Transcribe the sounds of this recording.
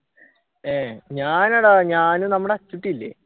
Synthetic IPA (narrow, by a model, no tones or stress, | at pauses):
eɲaːnɐɽaɲaːnunɐmːuɽeɐt͡ɕːuʈːilːḛ